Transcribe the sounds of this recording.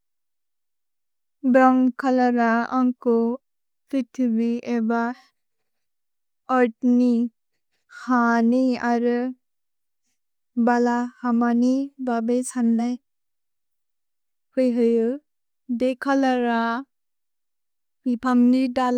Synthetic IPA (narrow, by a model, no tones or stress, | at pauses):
bɾamkʰalaɾaa̰ŋkɔ | pitʰɯbieba | ɔɾt̚ni | haniaɾɯ | balahamanibabesanlaj | hɯjɦɯjɯ | dekʰalaɾa | b̥ipʰamnidal